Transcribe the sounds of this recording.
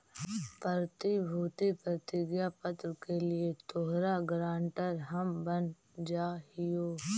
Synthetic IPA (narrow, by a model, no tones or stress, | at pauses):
pəɾt̪ibʱuːt̪ipɾət̪ɪɡjapət̪ɾkelɪet̪oɦɾaɡɾãːɳʈəɾɦɐmbən | d͡ʒaːɦɪjoː